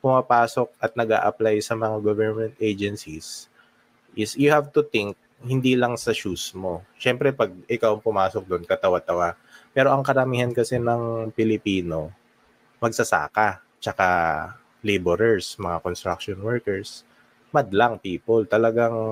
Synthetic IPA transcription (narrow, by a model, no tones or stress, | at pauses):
pʊmapaːso̞k̚ɐt̪̚nɐɡa̰ːʔɐplajsɐmɐŋaɡovɛɹmɛnt̪ʔejd͡ʒɛnsis | ʔɪsjʊhavt̪ʊt̪ɪŋk̚ | hɪnd̪iːlɐŋsɐʃusmo̞ʃɛmpɾɛpɐɡ̚ɪkawɐŋpʊmaːsok̚d̪oʔnkɐt̪ɐwat̪ɐwa | pɛːɾo̞ʔɐŋkɐɾɐmiːhɐnkɐsɛnɐŋpɪlɪpiːno̞ | mɐɡ̚sɐsa̰ːka | t͡ʃɐka | lejboɾɛɹsmɐŋakonst̪ɾa̰k̚ʃonwɛɹkɛɹs | mɐd̪laŋpiːpolt̪ɐlɐɡaŋ